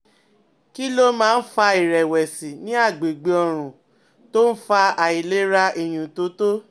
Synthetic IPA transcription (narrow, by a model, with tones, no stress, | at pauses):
ki˦lo˦mãː˦˧n̩˦fa˧i˨ɾɛ˨wɛ˨si˨nĩ˨˦a˦˨ɡ͡be˨ɡ͡be˨ɔ˧ɾ̃ũ˨ | to˦n̩˦fa˧a˨i˨le˦ɾa˧ʔe˨j̃ũ˨to˨˦to˦